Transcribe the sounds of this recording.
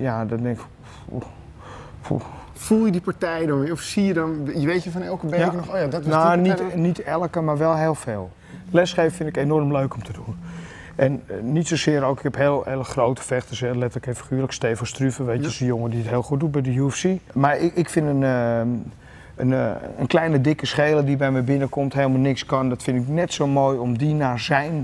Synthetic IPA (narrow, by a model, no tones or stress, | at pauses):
jadɔtdɛŋk | fṵ | fulˠjədipaɹtɛjdɔnɔfsijədɔnjəʋeːtjəfɔnɛlˠkəbejkənɔxoːjadɔtnonitnitɛlˠəkəmaɹʋɛlˠɦeːlˠfeːlˠ | lɛsxeːvəfɪntɪkenɔrmløɥkɔmtʰədun | ʔɛnːitsosɪːəɾoːkɪ̥kɛpheːlˠeləxrowtə̥fɛxtəsɛlɛtələkɪnfəxyːləksteːfəstryfəʋejəsəjoŋədiətɦeːlˠxut̚dut̚bɛjdəjuɛfsimarɪkfɪnən | ənənklɛjnədɪkəsxeːlədibɛjmɛjbɪnəkɔmtheːlˠmanɪkskɔndɔtfɪndɪknɛtsoːmoːjɔmdinazɛjn